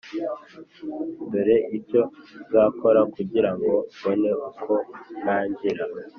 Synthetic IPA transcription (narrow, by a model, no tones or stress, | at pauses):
mbeɾe̞ʔiɾco̞zako̞ɾakuɟiɾaŋɡo̞βone̞ukʰo̞naːɲɟiɾa